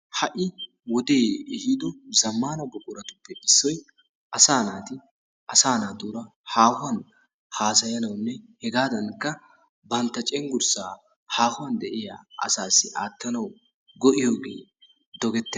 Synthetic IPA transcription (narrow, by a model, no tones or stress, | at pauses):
hɐʔɪ | wɔd̪eːɛhid̪ɔzɐmːaːnɐbʊkʼʊɾɐt̪ʊpːɛʔɪsːɔj | ʔɐsaːnaːt̪ɪ | ʔɐsaːnaːd̪uːɾɐ | haːhʊwɐn | haːsɐjɐnɐwnːɛhɛɡaːd̪ɐnkːɐ | bɐnt̪ːɐt͡ʃʼɛŋɡʊɾsaː | haːhʊwɐnd̪ɛʔɪja̰ːʔɐ̰saːsːɪʔaːt̪ːɐnɐw | ɡɔʔɪjo̞ːɡḛː | d̪ɔɡɛt̪ːɛ